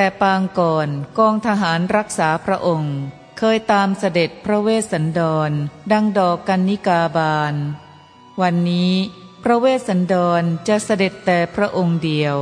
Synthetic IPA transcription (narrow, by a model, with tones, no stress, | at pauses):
t̪ɛː˨˩paː˧ŋkɔː˨˩nkɔː˧ŋt̪ʰa˧ɦaː˩˦nɾa˦˥k̚saː˩˦pʰɾa˦˥ʔo˧ŋ | kʰɤː˧jt̪aː˧msa˧de˨˩t̪̚pʰɾa˦˥weː˥˩t̪̚sa˩˦ndɔː˧nda˧ŋdɔː˨˩kːa˧nːi˦˥kaː˧baː˧n | wa˧nːiː˦˥ | pʰɾa˦˥weː˥˩t̪̚sa˩˦ndɔː˧nt͡ɕa˨˩ʔsa˧de˨˩t̪ːɛː˨˩pʰɾa˦˥ʔo˧ŋdi˧əw